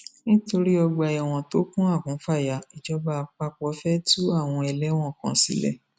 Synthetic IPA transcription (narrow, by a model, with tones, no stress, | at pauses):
nĩ˦to˧ɾi˦ɔ˧ɡ͡ba˧ɛ˨w̃ɔ̃˨to˨˦kũ˦a˦˨kũ˨˦fa˦˨ja˨˦i˨d͡ʒɔ˨˦ba˦˧k͡pa˧k͡pɔ˨˦fɛ˦tu˦a˦˨w̃ɔ̃˧ɛ˧lɛ˦w̃ɔ̃˦˨kã̰˧˦sḭ˨˦lɛ̰˦˨